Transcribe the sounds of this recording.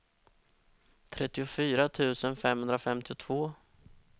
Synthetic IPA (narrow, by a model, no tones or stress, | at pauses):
t̪ʰɾɛt̪ːɪʊfyːɾat̪ʰʉ̟ːsənfɛmhɵnd̪ɾafɛmt̪ɪʊt̪ʰv̥oː